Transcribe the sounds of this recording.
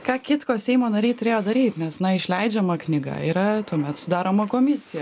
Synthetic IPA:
kɑːkʲɪt̪koːsʲɛɪmoːnɐɾʲɛɪt̪ʊɾʲeːjoːd̪ɐɾʲiːt̪nʲɛsnɐɪʃʲlʲɛɪd͡ʒʲɛmɐknʲɪɡɐ̰iːɾɐt̪uɔmʲɛt̪sʊd̪ɑːɾoːmɐkoːmʲɪsʲɪjɛ

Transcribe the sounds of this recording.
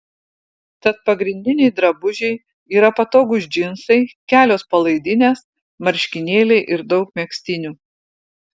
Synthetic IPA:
t̪ɐt̪̚pɐɡɾʲɪnʲd̪ʲɪnʲɛɪd̪ɾɐbʊʒʲɛɪ | iːɾɐpɐt̪oːɡʊs̬ʲd͡ʒʲɪnsɐɪkʲæːlʲoːspɐlˠɐɪd̪ʲɪnʲeːs | mɐɾʲʃʲkʲɪnʲeːlʲɛɪʔɪɾd̪ɒʊkmʲiɛksʲt̪ʲɪnʲuː

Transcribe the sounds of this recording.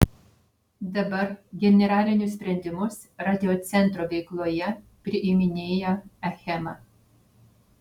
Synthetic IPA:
d̪ɐbɐɾɡʲɛnʲɛɾɑːlʲɪnʲʊs̬ʲpʲɾʲɛnʲd̪ʲɪmʊs | ɾɑːd̪ʲɪoːt̪sʲɛnˑt̪ɾoʋʲɛɪklˠoːjɛ | pʲɾʲɪʔɪmʲɪnʲeːjoɛxʲɛmɑː

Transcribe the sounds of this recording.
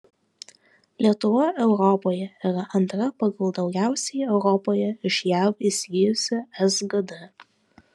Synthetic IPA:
lʲiɛt̪ʊʋoʔɛʊɾɔpoːjɛiɾɐʔɐnt̪ɾɐpɐɡɐlˠd̪ɒʊɡʲæˑʊsʲɛjɛʊɾɔpoːjɛɪʃjæwisʲɡʲiːjʊsʲɛɛzɡɐd̪ɛ

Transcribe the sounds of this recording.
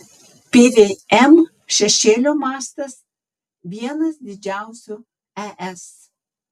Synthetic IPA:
pʲeːʋʲeːɛm | ʃʲɛʃʲeːlʲoːmɑːst̪ɐs | ʋʲiɛnɐsd̪ʲɪd͡ʒʲæˑʊsʲʊ | æʔɛs

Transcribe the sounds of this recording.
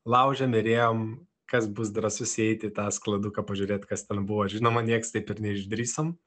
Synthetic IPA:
lˠɐʊʒʲɛmʲɪɾʲeːjoːm | kɐsbʊs̬d̪ɾɐsʊsʲɛɪt̪ʲɪt̪ɑːsklˠɐd̪ʊkɐpɐʒʲʊɾʲeːt̪kɐst̪ʲɛnbuʋoːɪrʒʲɪnoːmɐnʲiɛkst̪ɐɪpɪɾnʲɛɪʒʲd̪ʲɾʲiːsoːm

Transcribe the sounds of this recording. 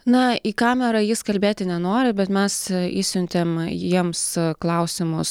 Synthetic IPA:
nɐiːkɑːmʲɛɾɐjɪskɐlʲbʲeːt̪ʲɪnʲɛnoːɾʲɪbʲɛt̪mʲɛsisʲʊnʲt̪ʲeːmjiɛmsklˠɐʊsʲɪmʊs

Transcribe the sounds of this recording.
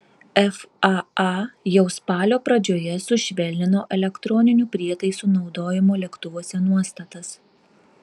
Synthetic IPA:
ɛfɑjɛʊspɑːlʲoːpɾɐd͡ʒʲoːjɛsʊʃʲʋʲɛlʲnʲɪnoːʔɛlʲɛkt̪ɾɔːnʲɪnʲuːpʲɾʲiɛt̪ɐɪsuːnɒʊd̪oːjɪmoːlʲɛkt̪ʊʋoɔsʲɛnuɔst̪ɐt̪ɐs

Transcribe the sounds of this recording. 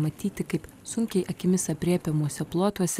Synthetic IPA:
mɐt̪ʲiːt̪ʲɪkɐɪp | sʊŋʲkʲɛɪʔɐkʲɪmʲɪsɐpʲɾʲiɛpʲɛmuɔsʲɛplˠoːt̪uɔsʲɛ

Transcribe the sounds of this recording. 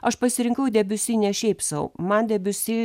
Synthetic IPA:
ɐʃpɐsʲɪɾʲɪŋkɐʊd̪ʲɛbʲʊsʲiːnʲɛʃʲɛɪpsɐʊmɐnd̪ʲɛbʲʊsʲi

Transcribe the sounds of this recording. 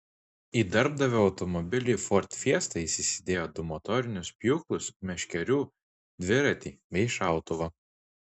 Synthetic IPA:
iːd̪ʲɐɾb̚d̪ɐʋʲoːɒʊt̪ɔmɔbʲɪlʲiːˑfɔɾʲt̪ʲfʲiɛst̪ɐisʲɪsʲɪd̪ʲeːjoːd̪ʊmɔt̪ɔɾʲɪnʲʊspʲjuːklˠʊsmʲɛʃʲkʲɛɾʲuː | d̪ʲʋʲɪɾɐt̪ʲiːʋʲɛɪʃɑˑʊt̪ʊʋɐ

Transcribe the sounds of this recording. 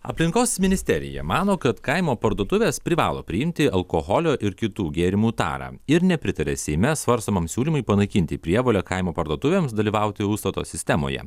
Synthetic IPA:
ɐ̰pʲlʲɪŋkoːsmʲɪnʲɪsʲt̪ʲɛɾʲɪ̰jɛ̰mɑːnoːkɐt̪kɐɪmoːpɐɾd̪uɔt̪ʊʋʲeːspʲɾʲɪʋɑ̰ːlˠoːpʲɾʲɪjɪmʲt̪ʲɪɐlˠkoːɦɔlʲoːʔɪɾkʲɪt̪uːɡʲeːɾʲɪmuːt̪ɑ̰ːɾɑ̰ːɪɾnʲɛpʲɾʲɪt̪ɐɾʲɛ̰sʲɛɪmʲɛsʋɐɾst̪omɐmsʲuːlʲimʊɪpɐnɐɪkʲɪnʲt̪ʲɪpʲɾʲiɛʋoːlʲɛkɐɪmoːpɐɾd̪uɔt̪ʊʋʲeːmsd̪ɐlʲiːʋɑˑʊt̪ʲɪust̪ɐt̪o̰ːsʲɪsʲt̪ʲɛmo̰ːjɛ̰

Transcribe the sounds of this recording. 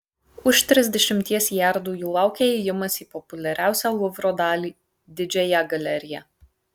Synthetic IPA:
ʊʃt̪ʲɾʲɪzʲd̪ʲɛʃʲɪmʲt̪ʲiɛsjæˑɾd̪uːjuːlˠɑˑʊkʲeɛjɪmɐsiːpɔpʊlʲɛɾʲæˑʊsʲæːlˠʊʋɾod̪ɑːlʲiː | d̪ʲɪd͡ʒʲɛjɛɡɐlʲɛɾʲɪjæ

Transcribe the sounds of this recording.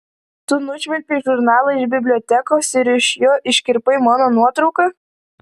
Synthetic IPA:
t̪ʊnʊʃʲʋʲɛlʲpʲiʒʊɾnɑːlˠɐɪʒbʲɪbʲlʲoːt̪ʲækoːsɪɾɪʃjoːʔɪʃʲkʲɪɾpɐɪmɑːnoːnuɔt̪ɾɔʊkɐ

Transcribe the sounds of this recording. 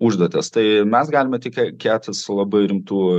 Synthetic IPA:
uʒd̪uɔt̪ʲɛst̪ɐɪmʲɛsɡɑːlʲɪmʲɛt̪ʲɪkʲkʲæːt̪ʲɪslˠɐbɐɪɾʲɪmt̪uː

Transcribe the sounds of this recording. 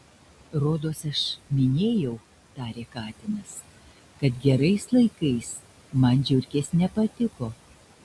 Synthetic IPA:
ɾoːd̪oːsɐʃmʲɪnʲeːjɛʊ | t̪ɑːɾʲeːkɑːt̪ʲɪnɐs | kɐt̪ɡʲɛɾɐɪslˠɐɪkɐɪs | mɐnd͡ʒʲʊɾʲkʲeːsnʲɛpɐt̪ʲɪkoː

